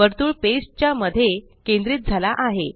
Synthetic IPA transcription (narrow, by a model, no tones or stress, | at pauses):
əɾt̪uːɭpest͡ɕjaməd̪ʱːje | kẽnd̪ɾiːt̪̚d͡zʱalaʔaɦe